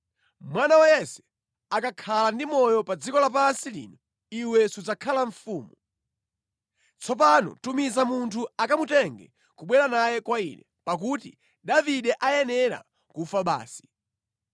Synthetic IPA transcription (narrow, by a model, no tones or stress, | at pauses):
mwanawajɛsɛ̥ | akakʰalandimɔjɔpad͡zikɔlapansilḭːnɔ | iwɛsud͡zakʰalaɱfuːmu | t͡sʰɔp̬anɔ̰tumizamuntʰuakamutɛŋɡɛ̰ | kuɓwɛɾanajɛkwainɛ̰pak̬uti | ɗaviɗɛʔajɛnɛɾa̰ | kufaɓa̰ːsi̥